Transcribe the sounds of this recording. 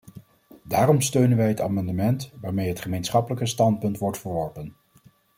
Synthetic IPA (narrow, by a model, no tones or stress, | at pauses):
daːrɔmstøɥnənʋɛjɦəta̰ːmɑndəmɛntʋaːɹmejɦətχəmejnsχɑpələkəstɑnt̚pɵntʋɔɹtfəɹʋɔɹpən